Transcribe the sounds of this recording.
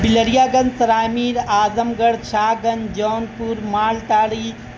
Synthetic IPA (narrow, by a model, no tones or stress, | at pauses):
biləɽijaːɡɐnsɐɾaːmiːɾaːzɐmɡɐɽt͡ʃʰaːɡɐnd͡ʒɔːnpuɾmaːlʈaːɽiː